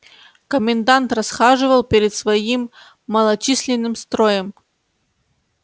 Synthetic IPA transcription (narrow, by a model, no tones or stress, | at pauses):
kəmʲɪnd̪ant̪rɐsxaʐɨvəlˠpʲɪɾʲɪt̪svɐimː | əlˠɐt͡ɕisʲlʲɪnːɨmst̪ɾojəm